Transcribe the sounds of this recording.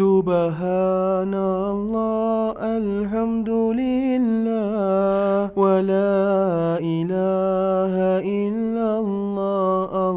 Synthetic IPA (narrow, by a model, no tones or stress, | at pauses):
ʊbaɦana | lˤːɑːʔal | ħamd̪ʊlɪlːaːhwalaːʔɪlaɦaʔɪlːa | lːɑːʔa